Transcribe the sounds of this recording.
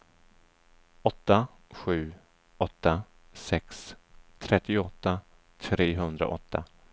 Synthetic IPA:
ɔt̪ːa | ɧʉ̟ː | ɔt̪ːa | sɛkst̪ʰɾɛt̪ːɪʊɔt̪ːa | t̪ʰɾeːɦɵnd̪ɾa̰ʔɔt̪ʰːa

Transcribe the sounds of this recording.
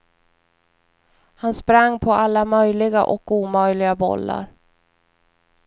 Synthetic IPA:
hanspɾaŋːpʰɔalːamœjlɪɡa̰ʔɔkuːmœjlɪɡabɔ̰lːa̰ɾ

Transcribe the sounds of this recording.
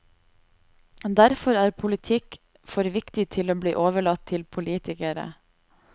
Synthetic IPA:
d̪æɾfɔɾæːɾpʰʊlɪt̪ʰɪk | fɔɾʋɪkt̪ɪt̪ʰɪloːblḭːʔoːʋəɭɑt̪ʰɪlpʰʊliːt̪ɪkəɾə̰

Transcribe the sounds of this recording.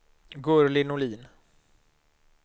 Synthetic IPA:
ɡɵɾlɪnʊliːn

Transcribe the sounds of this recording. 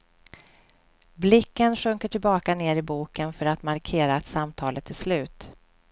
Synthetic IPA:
blɪkːənɧɵŋkəʈʰɪlbɑːkaneːɾɪbuːkənfœɾat̪maɾkʰeːɾaːt̪samt̪ʰɑːlət̪ʰːɪslʉ̟ːt̪

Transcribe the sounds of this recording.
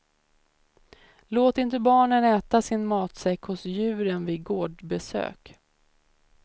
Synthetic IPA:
loːt̪ɪnt̪̬əbɑːɳənɛːt̪asɪnmɑːt̪sɛkhʊsjʉ̟ːɾənviːɡoːɖbɛsø̰ːk

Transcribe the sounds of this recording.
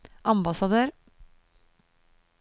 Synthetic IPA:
ʔɑmbɑsɑd̪øːɾ

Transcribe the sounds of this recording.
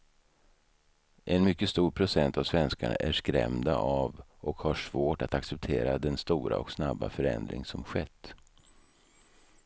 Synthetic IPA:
ʔɛnmʏkːəst̪uːɾpʰɾʊsɛnt̪avsvɛnskaɳaʔæʂkɾɛ̰md̪aʔavʔɔkhaʂvoːʈat̪aksɛp̚t̪ʰeːɾad̪ɛnst̪uːɾa̰ɔksnabːa̰fœɾɛ̰nd̪ɾɪ̰ŋsɔmɧɛt̪ː

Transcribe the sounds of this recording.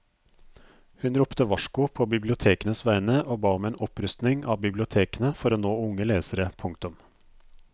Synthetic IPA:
hʉnɾʊpt̪əʋɑʃkʊpʰoːbɪblɪʊt̪ʰeːkənəsʋæɪnəʔoːbɑːɔmeːnɔpɾʉst̪nɪŋɑ̰ːbɪblɪʊt̪ʰeːkənəfɔɾoːnoːʊŋːəleːsəɾəpʰʊŋkt̪ʊm

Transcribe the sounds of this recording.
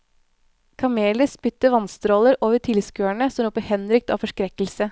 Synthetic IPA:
kʰɑmeːləspʏt̪ːəʋɑnst̪ɾoːləɾʔoːʋəʈʰɪlskøːæɳəsɔmɾɔpːəhɛnɾʏk̚t̪ɑ̰ːfɔʂkɾɛkəl̩sə

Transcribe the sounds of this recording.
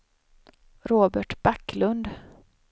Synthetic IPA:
ɾoːbæʈbakːlɵnd̪

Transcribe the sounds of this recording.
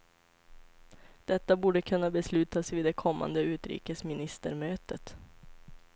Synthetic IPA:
d̪̥ɛt̪ːabuːɖəkʰɵnːabɛslʉ̟ːt̪asvɪːd̪ɛkʰɔmːa̰nd̪əʉ̟ːt̪ɾḭːkəsmɪnɪst̪ə̰ɾmøːt̪ət̪

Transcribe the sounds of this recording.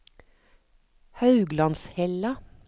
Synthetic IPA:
hɑʉɡlɑnshɛlɑ

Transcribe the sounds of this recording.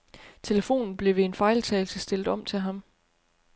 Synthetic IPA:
t͡sʰe̝ləfo̝̰ːnn̩b̥le̝ʋeːnfɑ̈ɪlt͡sʰɛːɪl̩səsd̥e̝ld̥ɒ̽m̰t͡sʰe̝lɦɑ̈m

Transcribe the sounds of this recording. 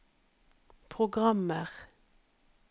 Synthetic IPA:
pʰʁʊɡʁɑməʁ

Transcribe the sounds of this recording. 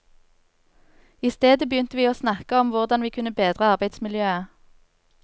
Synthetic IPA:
iːst̪eːd̪əbəjʏnt̪əʋiːoːsnɑkəɔmʋʊʁd̪ɑnʋiːkʰʉnəbeːd̪ʁəɑʁbæɪd̪smɪljøːə

